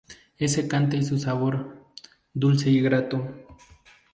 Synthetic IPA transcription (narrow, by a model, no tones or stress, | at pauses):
esekant̪̬ajs̬usaβoɾ | d̪ulseiɡɾat̪o